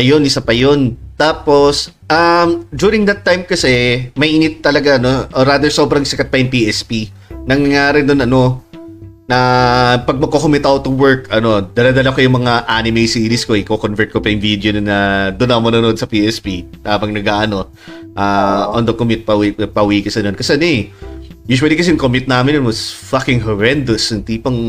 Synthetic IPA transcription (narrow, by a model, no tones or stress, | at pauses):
ɐjonʔɪsapɐjont̪aːpo̞s | ʔɐmd͡ʒjuːɾɪŋd̪ɐt̪ːajmkɐsɛmɐjʔiːnɪt̪ːɐlɐɡaɐno̞ʔoɾaːd̪ɛɹso̞ːbɾɐŋsɐkɐt̪̚pɐjʊŋpiʔɛspi | nɐŋɐŋaːɾɪnd̪onɐno̞ | nɐpɐɡ̚mɐkokomɛt̪awt̪ːʊwɛɹkɐno̞d̪ɐlɐd̪ɐlɐkojʊŋmɐŋaʔanɪmejsiilɪskoɪkokonvɛɹt̪̚kopɐjʊŋvid̪jononːɐd̪ʊnːɐomɐnʊno̞d̪sɐpiʔɛspiʔaːbɐŋnɐɡaʔɐno̞ | ʔaʔond̪ɐkomɪt̪̚pɐwipɐwiːkɐsɐnonkɐsɛnɛ | juːʃuwɐlikɐsɛjʊŋkomɪt̪̚naːmɪnjonwɐsfakɪŋɦɛɹɛnd̪osɐŋt̪iːpɐŋ